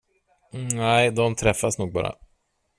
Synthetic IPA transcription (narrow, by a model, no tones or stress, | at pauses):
næɪd̪ɔmt̪ʰɾɛfːasnuːɡ̚bɑ̰ːɾa̰